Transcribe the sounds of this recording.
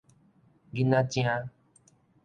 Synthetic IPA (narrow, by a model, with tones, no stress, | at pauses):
ɡi˦nã˦t͡ʃi˦ã˦